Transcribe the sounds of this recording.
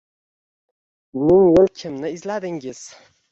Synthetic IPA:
mɪŋwʊlkʲʰɪmnɪɪzlad̪ɪŋʲɪz̥

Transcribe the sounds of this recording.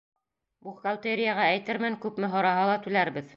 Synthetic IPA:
buχkalˠt̪eɾʲɪjaʁɑæjt̪ɘɾmænkʉpmɘɦŏɾɑɦɑlˠɑt̪ʉlæɾbɘð

